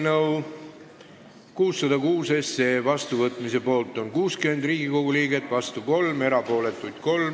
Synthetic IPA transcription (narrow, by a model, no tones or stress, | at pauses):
nɤw | kuːsːɑd̪ɑkuːsese̞vɑst̪uvɤt̪ːˑmise̞po̞ːlt̪ːˑo̞nkuːskyme̞nd̪riːɡiko̞ɡuliːɡe̞t̪ːˑvɑst̪uko̞lme̞ɾɑpo̞ːle̞t̪ːˑujd̪̥ko̞lm